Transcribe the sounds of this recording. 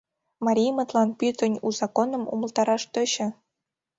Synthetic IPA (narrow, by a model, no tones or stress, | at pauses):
mɑɾʲijmɤ̆t̪lˠɑnpʲyt̪ʲɘ̆nʲuzɑkonɤ̆mṵmɤ̆lˠt̪ɑɾɑʂt̪ɤ̆ɕɘ̆